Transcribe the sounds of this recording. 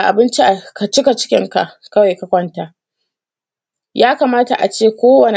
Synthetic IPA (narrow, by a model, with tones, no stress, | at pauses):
ʔa˨bɪ˦nt͡ʃi˦ʔa˨ka˨t͡ʃɪ˦ka˨t͡ʃɪ̥˦kʲɪ̰˦ŋka̰˨ʔkɐ˦wa˨jka˦kʷɔ˦ntaː˨ʔ | jaː˦kaː˨maː˦ta̰˨ʔa̰˨t͡ʃeː˦˨kʷoː˦wɐ˨ne˨